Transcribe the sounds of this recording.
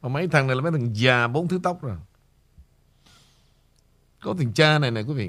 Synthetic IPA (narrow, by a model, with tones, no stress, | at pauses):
vaː˨˩ma˨˦jt̪ʰa˨˩ŋn˨˩jlːm˨˦jt̪ʰa˨˩ŋzaː˨˩ɓo˨˦nt̪ʰɨ˨˦t̪a˦˥wk͡p̚zo˨˩j | kɔ˨˦t̪ʰi˨˩ŋt͡ɕaː˧na˨˩jna˨˩jkwi˨˦vḭ˧˨